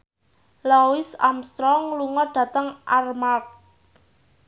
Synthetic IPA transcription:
lawɪsa̰mst̪ɾɔŋluŋɔɖ̪̥ä̤t̪əŋʔarmak̚

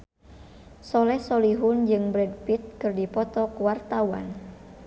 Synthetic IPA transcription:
sɔlɛhsɔliɦund͡ʒɨŋbɾɛdpit̪̚kɨrdipɔt̪ɔkuwart̪awa̰n

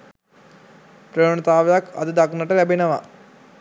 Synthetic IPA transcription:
pɾɐjonɐt̪aːʋejakʰa̰d̪əd̪aknəʈəlæbenəʋa̰

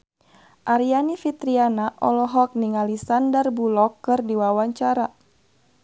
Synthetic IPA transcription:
ʔaɾianifit̪ɾianaʔɔlɔɦɔk̚niŋalisandarbulɔkːɨrdiwawaɲt͡ʃaɾa

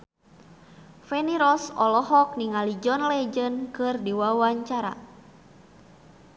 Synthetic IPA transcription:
fɛniɾɔsɔ̰lɔɦɔk̚niŋalid͡ʒɔnlɛd͡ʒənkɨrdiwawaɲt͡ʃaɾa̰

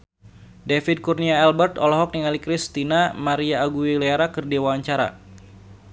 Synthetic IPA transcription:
defid̚kurniaɛlbɛrt̪ɔlɔɦɔk̚niŋalikɾist̪inamaɾiaːɡuileaɾakərdewaaɲt͡ʃaɾa̰

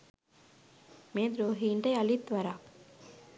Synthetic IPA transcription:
meːd̪ɾoːɦiːɳʈejalit̪ʋaɾaː

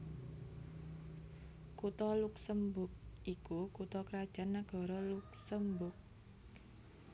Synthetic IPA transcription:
kut̪ɔluksəmbʊk̚ʔikukut̪ɔkɾad̥ʒ̥a̤nːaɡ̥ɔ̤ɾɔluk̚səmbʊk̚

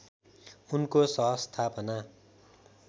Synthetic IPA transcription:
unkosʌ̃ɦʌst̪ʰapʌna

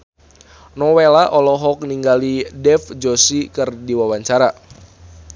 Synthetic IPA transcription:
nɔwelaʔɔlɔɦɔk̚niŋɡalidɛfd͡ʒosikɨrdiwawaɲt͡ʃaɾa

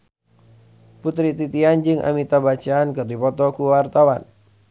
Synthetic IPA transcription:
put̪ɾit̪it̪iand͡ʒɨŋʔa̰mit̪abat͡ʃaːnkɨrdipɔt̪ɔkuwart̪awan

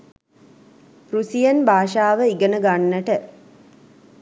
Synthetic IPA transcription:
pɾusijənbʱaːʃaːʋəiɡənəɡanːəʈə

